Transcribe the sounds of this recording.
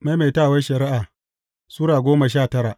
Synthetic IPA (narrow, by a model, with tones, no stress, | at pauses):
ma˦me˨taː˦˨wɐ˦ʃɐ˨ɾɪ˦ʔaː˨ | suː˦ɽaː˨ɡʷoː˦ma˨ʃ̬aː˦˨tɐ˦ɾa˨ʔ